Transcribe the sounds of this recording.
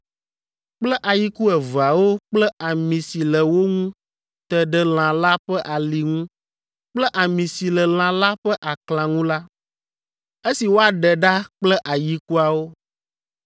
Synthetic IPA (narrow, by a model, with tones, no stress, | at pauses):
k͡plɛ˦ʔa˨ji˦ku˦ɛ˨va˨wo˦k͡plɛ˦a˨mĩ˨si˨lɛ˨wo˦ŋũ˦ | t̪ə˨ɖɛ˦l̃ã˨la˦ɸɛ˦ʔa˨li˨ŋũ˦ | k͡plɛ˦ʔa˨mĩ˨si˨lɛ˨l̃ã˨la˦ɸɛ˦ʔa˨klã˨ŋũ˦la˦ | e˦si˨wo˦a˨ɖɛ˨ɖa˦k͡plɛ˦ʔa˨ji˦ku˦a˨wo˦